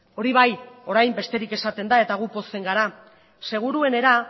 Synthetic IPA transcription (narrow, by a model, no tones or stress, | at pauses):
o̞ɾiβ̞ajo̞ɾajmbe̞st̪e̞ɾike̞sat̪e̞nd̪ae̞t̪aɣupo̞se̞ŋɡaɾa | se̞ɣ̞uɾue̞ne̞ɾa